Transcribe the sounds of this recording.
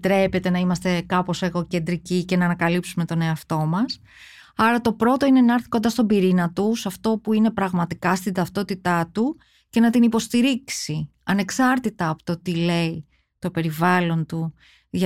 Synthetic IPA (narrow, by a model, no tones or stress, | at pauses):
t̪ɾe̞pe̞t̪e̞nɐimɐst̪e̞kɐpo̞seɣo̞ce̞nd̪ɾicice̞nɐːnɐkɐlipsume̞t̪o̞ne̞ɐft̪o̞mɐs | ɐɾɐt̪o̞pɾo̞t̪o̞ine̞nɐɾθi̥ko̞nd̪ɐst̪o̞biɾinɐt̪usɐft̪o̞puine̞pɾɐɣmɐt̪ikɐst̪ind̪ɐft̪o̞t̪it̪ɐt̪u | ce̞nɐt̪inipo̞st̪iɾiksi | ɐne̞ksɐɾt̪it̪ɐːpo̥t̪ot̪ile̞i | t̪o̞pe̞ɾivɐlo̞nt̪u | ʝɐ